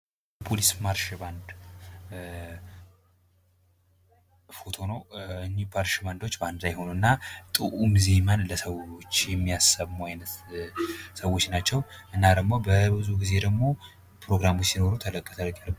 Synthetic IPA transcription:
pʰolismaɾʃband̪ | fot̪ʰo̞nəwɨnːibaɾʃband̪o̞t͡ʃːband̪zajho̞nuɨnːat̪ʼɨʔumze̞manləsəwot͡ʃːjɛmːijasːəβmuajnət̪ | səwːo̞t͡ʃːnat͡ʃːɛwʔɨnːad̪əɡmo̞bəbɨzuɡize̞d̪əɡmo̞ | pʰɾo̞ɡɾamot͡ʃsino̞ɾut̪ʰələkʼːət̪ʰəlk̪ʼjalb

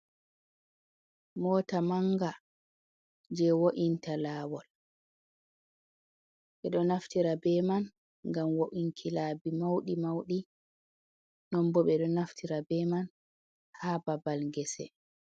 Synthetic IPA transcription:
mɔːtamaŋɡa | d͡ʒɛwoʔintalaːwɔl | ɓɛɗɔnaftiɾabɛman | ŋɡamwoʔiŋkʰilaːbimawɗimawɗi | nɔmbɔɓɛɗɔnaftʰiɾabɛman | haːbabalŋɡɛsɛ̰

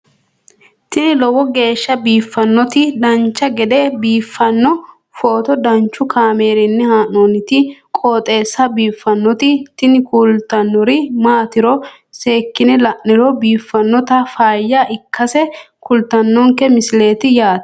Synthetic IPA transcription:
t̪ɪnɪlɔwɔɡe̞ːʃːɐbiːfːɐnːɔt̪ɪd̪ɐnt͡ʃːɐɡɛd̪ɛbiːfːɐnːɔ | foːt̪ɔd̪ɐnt͡ʃːʊkʰaːme̞ːɾɪnːɛhaːnoːnɪt̪ɪkʼoːt̪ʼe̞ːsːɐbiːfːɐnːɔt̪ɪt̪ɪnɪkult̪ɐnːɔɾɪmaːt̪ɪɾɔ | se̞ːkːɪnɛlɐʔnːɪɾɔbiːfːɐnːɔt̪ɐfaːjːɐʔɪkːɐsɛ | kʊlt̪ɐnːɔŋkɛmɪsle̞ːt̪ɪjaːt̪

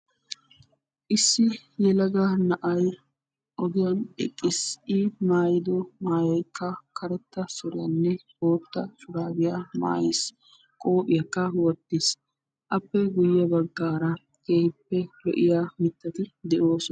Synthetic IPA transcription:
ʔɪsːɪjɛlɐɡanɐʔɐj | ʔɔɡɪjɐnɛ̰kʼːɪsɪmaːjɪd̪ɔmaːjɔjkːɐkʰɐɾɛt̪ːɐsɔɾɪjɐnːɛho̞ːt̪ːɐsʊɾaːbɪjama̰ːjes | kʼoːpʼɪjɐkːɐwɔt̪ːis | ʔɐpːɛɡʊjːɐbɐɡːaːɾɐ | keːhɪpːɛlɔ̰ʔɪjaːmɪt̪ːɐt̪ɪd̪ɛʔo̞ːs

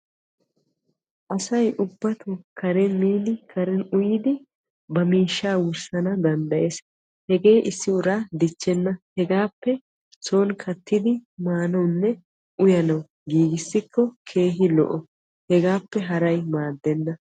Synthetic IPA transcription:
ʔɐsɐjʔʊbːɐt̪ʊkɐɾɛnmiːnɪkʰɐɾɛnʊjɪd̪ɪ | bɐmiːʃːaːwʊɾsɐnɐd̪ɐnd̪ɐjes | hɛɡe̞ːʔɪsːɪʊɾaːd̪ɪt͡ʃːɛnːɐhɛɡaːpːɛ | so̞ːnkʰɐt̪ːɪd̪ɪmaːnɐwnːɛ | ʔʊjɐnɐw | ɡiːɡɪsːɪkʰːɔkʰe̞ːɦɪlɔ̰ʔɔ | hɛɡaːpːɛɦɐɾɐjmaːd̪ːɛnːɐ

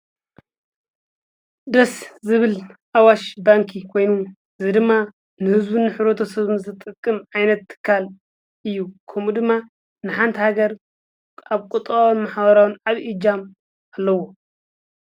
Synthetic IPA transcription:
d̪ɐszɨβɨlʔawaʃbaŋkʰikʰo̞jnu | ɨzɨd̪ɨmːa | nɨhɨzbunɨħɾot̪ʰosɐβmzɨt̪ʼɨkʼːɨmʕajnɐt̪ʰːɨ̥kʰːal | ʔɨjːukʰɐmud̪ɨmːa | nɨħant̪ʰihaɡɐɾ | aβkʼut̪ʼawnmaħβɐɾawɨnʕaβʔid͡ʒam | alːɐwo

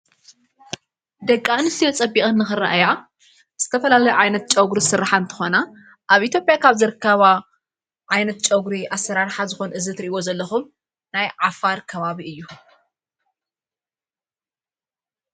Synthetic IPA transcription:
d̪ɐkʼːanɨsijot͡sʼɐbixʼɨnːɨxɨɾa̰ʔaja | z̥ɨt̪ʰɐfɐlalɐjuʕajnɐt̪̚t͡ʃʼɐɡɾisɨrːaħant̪ʰɨ̥xo̞na | ʔaβʔit̪ʰjopʼjakʰaβzɨɾɨkʰːɐβa | ʕajnɐt̪̚t͡ʃʼɐɡɾiʔasːɐɾaɾħazɨxo̞nʔɨzɨt̪ɾiʔiβo̞zɐlːɐxum | najʕafaɾkʰɐβaβiɨjːu

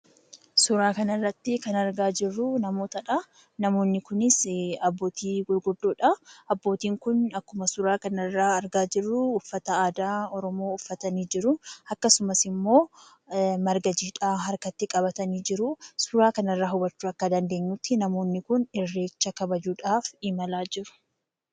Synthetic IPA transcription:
sʊɾaːkɐnɐrːɐt̪ːɪkɐnɐɾɡaːd͡ʒɪrːʊnɐmo̞ːt̪ɐᶑɐ | nɐmo̞ːnːɪkʊnɪsɐbːo̞ːt̪ʰiːɡʊɾɡʊd̪ːoːᶑɐɐbːo̞ːt̪iːŋkʊnɐkːʊmɐsʊɾaːkɐnɐrːaːɐɾɡaːd͡ʒɪrːʊːfːɐt̪ɐaːd̪aːɔɾɔmo̞ːʊfːɐt̪ɐniːd͡ʒɪɾʊɐkːɐsʊmɐsɪmːo̞ː | mɐɾɡɐd͡ʒiːᶑaːɦɐɾkɐt̪ːɪkʼɐβɐt̪ɐniːd͡ʒɪɾʊsʊɾaːkɐnɐrːaːɦʊbɐt͡ʃːuɐkːɐd̪ɐnd̪e̞ːɲːʊt̪ːɪnɐmoːnːɪkʊnɪrːe̞ːt͡ʃːɐkɐbɐd͡ʒuːᶑaːfɪmɐlaːd͡ʒɪɾʊ̥

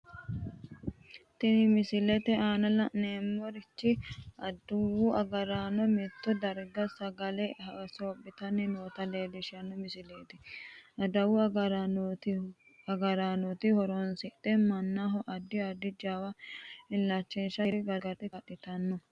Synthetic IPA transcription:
t̪ɪnmɪsɪlɛt̪ɛaːnɐlɐneːmːɔɾɪt͡ʃːɪɐd̪wʊɐɡɐɾaːnɔmɛt̪ːɔd̪ɐɾɡɐsɐɡɐlɛhɐsoːbːɪt̪ɐnːɪnoːt̪ɐleːd̪ɪʃɐnːɔmɪsɪleːt̪ɪʔɐd̪ɐwʊɐɡɾ | ɐɡɐɾaːnɔt̪ɪhɔɾɔnsɪt̪ɛmɐnːaɦɔʔɐd̪ːɪɐd̪ːɪd͡ʒaːwɐɪllɐt͡ʃːenʃɐɾɪɡɐɡɐt̪ɪkɐɗːɪt̪ɐnːɔ

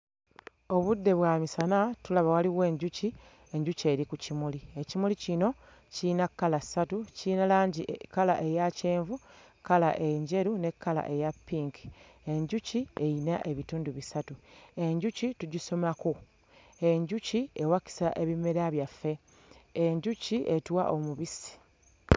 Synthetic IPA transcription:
o̞βudːe̞βwaːmisanatulaβawaliɣe̞ːɲɟuci | e̞ɲɟuce̞ːɾikucimuliecimulicino̞ | cinakːalasatucinalaːɲɟikala̰ʔe̞jace̞ːɱvu | kala̰ʔe̞ɲɟe̞ɾune̞kːala̰ʔe̞japːiːŋki̥e̞ɲɟucie̞inaʔe̞βituːnduβisatue̞ɲɟucituɟiso̞maku | eɲɟucie̞waki̥sa̰ʔe̞βimeɾaβjafːe̞ | eɲɟuciʔe̞twa̰ʔo̞muβisi̥

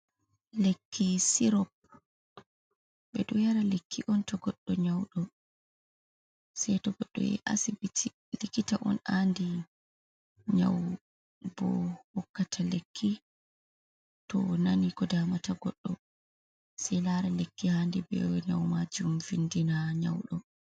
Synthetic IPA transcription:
lekʰːisiɾɔp̚ | bɛɗumjaɾalekʰːiʔɔntɔɡɔɗːɔɲawɗɔ | sɛjtɔɡɔɗːɔ̰ɛ̰ʔa̰sibiti | likitaʔɔ̰nandi | ɲa̰w | bɔ̰hɔkːatʰalekʰːi | tɔnanikɔdamataɡɔɗːɔ | sɛjlaɾalekːihandibɛ̰ɲawmad͡ʒumvindinaɲa̰wɗɔ

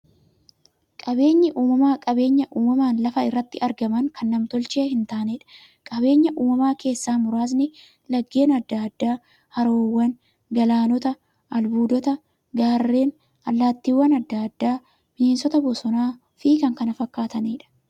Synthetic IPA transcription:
kʼɐbe̞ːɲːɪʔuːmɐmaːkʼɐbe̞ːɲːɐʔuːmɐmaːnlɐfɐɪrːɐt̪ːɪʔɐɾɡɐmɐŋkʰɐnːɐmt̪ɔlt͡ʃeːhɪnt̪aːneᶑɐ̥ | kʼɐbe̞ːɲːɐʔuːmɐmaːke̞ːsːaːmʊɾaːs̬nɪ | lɐɡːe̞ːnɐd̪ːad̪ːaː | hɐɾoːwːɐn | ɡɐlaːnɔt̪ɐ | ɐlbuːd̪ɔt̪ɐ | ɡaːrːe̞ːn | ɐlːaːt̪ːiwːɐnɐd̪ːaːd̪ːaː | m̥ɪne̞ːnsɔt̪ɐbɔsɔnaː | fiːkɐŋkɐnɐfɐkːaːt̪ɐniːᶑɐ̥

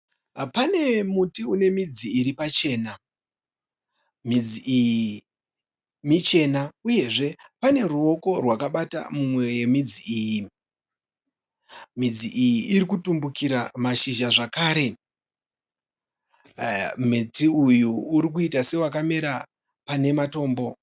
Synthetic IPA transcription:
pane̞mutiune̞mid͡ziːɾipat͡ʃe̞ːna | mid͡ziʔiji | mit͡ʃe̞nauje̞ʐe̞pane̞ruo̞ko̞rwakaɓata̰mumwe̞je̞mid͡ziiːji | mid͡ziʔijiʔːɾikutumbukiɾamaʃiʒaʐakaːɾe̞ | mitiujuːɾik̬uitase̞wakame̞ɾa | pane̞mato̞ːmbo̞

